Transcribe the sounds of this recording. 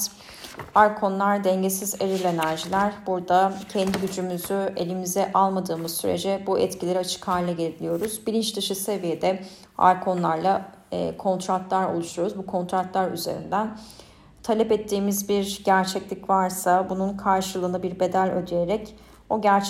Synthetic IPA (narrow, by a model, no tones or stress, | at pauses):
aɾkʰo̞nlˠaɾd̪ɛɲɟesize̞ɾilʲe̞næɾʒilʲæɾbuɾd̪acʰɛnd̪iɟyd͡ʒymyzye̞̰lʲimizɛʔalˠmad̪ɯːmɯzsyɾe̞̰d͡ʒɛbuʔɛt̪cʰilʲe̞ɾiat͡ʃʰɯ̥khaːlʲɛɟeilʲijo̞ɾuzbiɾint͡ʃd̪ɯʃɯse̞vije̞d̪ɛ | a̰ɾkʰo̞nlˠaɾlˠa | kʰo̞nt̪ʰɾat̪lˠaɾo̞̰lˠuʃujo̞ɾuzbukʰo̞nt̪ɾat̪lˠaɾy̰ze̞̰ɾḭnd̪æn | t̪ʰalʲɛpɛt̪ʰːiːmizbiɾɟæɾt͡ʃʰɛclʲicvaɾsabununkʰaɾʃɯlˠɯnɯbiɾbe̞d̪ælʲø̰d̪je̞ɾɛc | o̞ɟæɾt͡ʃ